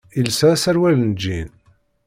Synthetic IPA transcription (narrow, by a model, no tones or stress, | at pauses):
ilsæsæɾwælnəd͡ʒːin